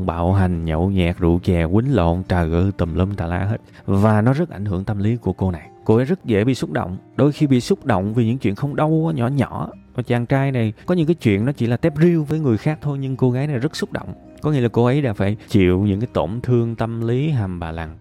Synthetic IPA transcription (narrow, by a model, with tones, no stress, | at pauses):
ŋ͡mɓa̰ː˧˨wɦa˨˩ŋ̟ɲə̰˧˨wɲɛ̰˨˩k̚zṵ˧˨t͡ɕɛː˨˩kwï˨˦ŋlo̰˧˨nt͡ɕaː˨˩ɣə̰˧˩t̪ə˨˩mləː˧mt̪aː˨˩laː˧ɦe˦˥t̚ | vaː˨˩nɔ˨˦zə˦˥t̚ʔa˧˩jŋ̟hɨ˧˩əŋt̪ə˧mli˨˦ku˧˩əko˧na˨˩jko˧ʔə˨˦jzə˦˥t̚zḛ˧˩ɓḭ˧˨sʊ˦˥k͡p̚ɗo̰˧˨wŋ͡mɗo˧jxi˧ɓḭ˧˨sʊ˦˥k͡p̚ɗo̰˧˨wŋ͡mvi˨˩ɲɨ̰˧˥ŋt͡ɕwḭ˧˨ənxə˧wŋ͡mɗə˧waː˨˦ɲɔ˧˩˥ɲɔ˧˩˥ | aː˨˩t͡ɕaː˨˩ŋt͡ɕaː˧jna˨˩jkɔ˨˦ɲɨ̰˧˥ŋkaː˨˦jt͡ɕwḭ˧˨ənːɔ˨˦t͡ɕḭ˧˩laː˨˩t̪ɛ˦˥p̚zi˧əwvəː˨˦jŋɨ˨˩əjxaː˦˥k̚t̪ʰo˧jɲɨ˧ŋko˧ɣaː˨˦jna˨˩jzə˦˥t̚sʊ˦˥k͡p̚ɗo̰˧˨wŋ͡m | kɔ˨˦ŋḭ˧ə˦laː˨˩ko˧ʔə˨˦jɗaː˧˥faː˧˩jt͡ɕḭ˧˨əwɲɨ̰˧˥ŋkaː˨˦jt̪o˧˩mt̪ʰɨ˧əŋt̪ə˧mli˨˦ɦaː˨˩mɓaː˨˩la˨˩ŋ